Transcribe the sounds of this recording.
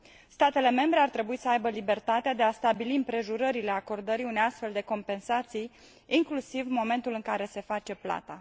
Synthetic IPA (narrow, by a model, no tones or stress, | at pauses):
st̪at̪e̞le̞me̞mbɾe̞art̪ɾe̞buisəajbəlibe̞rt̪at̪ead̪e̞ast̪abiliɨmpɾe̞ʒuɾəɾile̞ako̞rd̪əɾiune̞jast̪fe̞ld̪e̞ko̞mpe̞nsat̪sij | iŋklusivmo̞me̞nt̪ulɨŋkaɾe̞se̞fat͡ʃe̞pla̰t̪a